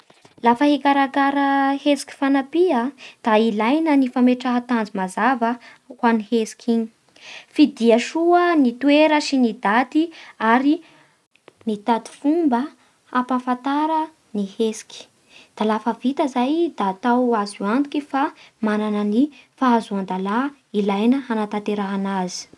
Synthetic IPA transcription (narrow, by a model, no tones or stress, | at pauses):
lafəhekaɾakaɾəhesi̥ki̥fanapiad̪̥ailajnənifameʈ͡ʂaɦat̪and͡zimazavə | hwanihesi̥kʲʰiɲi̥ | fid̪iəʃuənit̪ueɾəʃinid̪at̪iaɾi | nit̪ad̪i̥fumbə | apafat̪aɾə | nihesi̥kʲi̥ | d̪̥alafəvit̪əzajd̪̥aːt̪awazuand̪ukifamananənifaazuand̪ala | ilajnəɦanat̪ant̪eɾaɦanazi̥